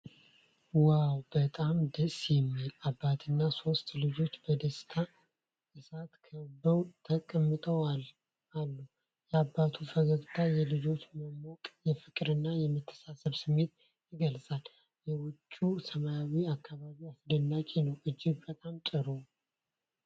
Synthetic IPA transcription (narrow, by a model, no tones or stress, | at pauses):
wawbət̪ʼamd̪əsjɛmːilabːat̪ʰɨnːaso̞st̪lɨd͡ʒo̞t͡ʃːbəd̪əst̪ʰa | ʔɨsat̪kʰəbəwt̪ʰəkʼəmːɨt̪ʼəwal | alːu | jɛabːat̪ʰufəɡəβt̪ʰajɛlɨd͡ʒo̞t͡ʃːməmɔkʼjɛfɨkʼɾɨnːajɛmːɨt̪ʰːə̥sasəβsɨmːe̞t̪ | jɪɡəlsʼal | jɛwʊt͡ʃʼːusəmajawiakʰːaβaβiasd̪ənːakʼenəwʔɨd͡ʒːɪɡbət̪ʼamt͡ʃ̪ʼɨɾo